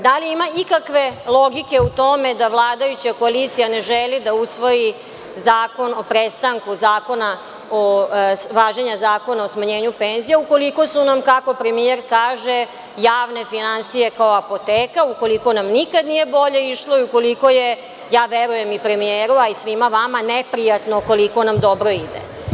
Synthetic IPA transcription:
d̪aliimaikakʋe̞lˠo̞ɡike̞ut̪o̞me̞d̪aʋlˠaːd̪ajut͡ɕako̞alit̪sijane̞ʒelid̪ausʋo̞ji | zaːko̞no̞pɾest̪aŋkuzaːko̞na | oʋaːʒeɲazaːko̞naosmaɲeːɲupe̞ːnzijauko̞liko̞sunamkako̞pɾe̞mieɾkaːʒe̞ | jaːʋne̞finansije̞kaoapo̞t̪eːkauko̞liko̞namnikad̪nijebo̞ʎe̞iʃlo̞iuko̞liko̞je̞ | jaːʋeɾuje̞mipɾe̞mieːɾuaisʋimaʋamanepɾijat̪noko̞liko̞namd̪o̞bɾo̞id̪ḛ

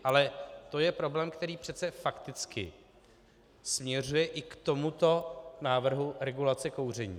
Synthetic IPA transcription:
ʔalɛt̪o̞jɛpɾo̞blɛːmkt̪ɛɾiːpr̝̥ɛt͡sɛfakt̪ɪt͡skɪ̰ | smɲɛr̝ujɛʔɪkt̪o̞mut̪o̞naːvr̩ɦuɾɛɡulat͡sɛko̞wr̝ɛɲḭː

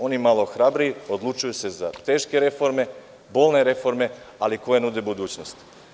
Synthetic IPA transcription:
o̞nimalˠo̞xɾabɾiiod̪lˠut͡ʃujuse̞zat̪eːʃke̞ɾe̞fo̞ɾme̞ | bo̞ːlˠneɾe̞fo̞ɾme̞ | aliko̞jenud̪ebud̪uːt͡ɕnost̪

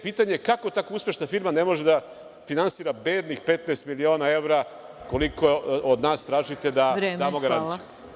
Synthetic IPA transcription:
piːt̪aɲekako̞t̪akouspʲje̞ʃnafiɾmane̞mo̞ʒed̪a | finansiːɾabeːd̪nixpet̪naest̪milio̞ːnae̞ʋɾa | ko̞likood̪naːst̪ɾaːʒit̪e̞d̪aɾed̪aːmoɡaɾansiju

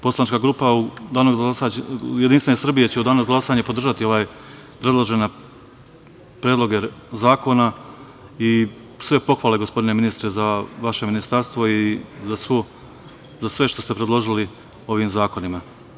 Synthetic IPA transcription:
po̞slˠanit͡ʃkaɡɾuːpaud̪aːnoɡzɡasajed̪inst̪ʋeesr̩bijet͡ɕeud̪aːnozɡlˠasaːɲepo̞d̪r̩ʒat̪io̞ʋaːj | pɾe̞d̪lˠo̞ʒe̞na | pɾedlˠo̞ɡezaːko̞na | i | sʋe̞po̞xʋaːle̞ɡo̞spo̞d̪ine̞minist̪ɾezaʋaʃe̞minist̪aɾst̪ʋoizasu | zasʋe̞ʃt̪o̞st̪e̞pɾed̪lˠo̞ʒili | o̞ʋiːmzaːko̞nima

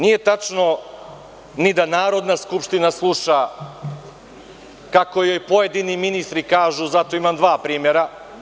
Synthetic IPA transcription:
nije̞t̪at͡ʃno̞ | nid̪anaːɾo̞d̪naskupʃt̪inaslˠuʃa | kako̞jo̞jpojed̪iniminist̪ɾikaːʒuzat̪o̞imamd̪ʋaːpɾiːmjeɾa

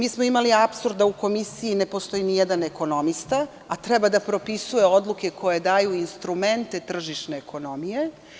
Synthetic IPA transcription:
miːsmo̞imaliapsuɾd̪d̪auko̞misijine̞po̞st̪o̞inijɛd̪aneko̞no̞mist̪a | at̪ɾɛbad̪apɾo̞pisuje̞o̞d̪lˠuke̞kʰo̞je̞d̪aːjuinst̪ɾume̞nt̪e̞t̪r̩ʒiʃne̞ːko̞no̞mije̞

